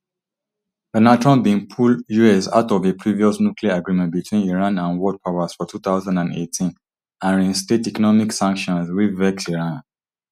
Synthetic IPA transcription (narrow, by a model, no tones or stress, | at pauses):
ðənatɹɔ̃bĩŋpʰuljuɛsa̰ʊtɔvepʰɹiviɔsnukliaːɡɹĩmɛ̃nt̚bitʰwĩniɹãnãnwɔd̚pʰaʊəz̥fɔtʰut̪aʊzãndãnḛtʰĩn | ãnɹĩnstetikɔnɔmiksãŋkʃɔ̃nswivɛksiɹãn